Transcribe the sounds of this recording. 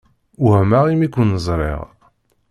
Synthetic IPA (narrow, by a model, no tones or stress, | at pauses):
uhmaʁimikʷːənəzˤɾˤḛʁ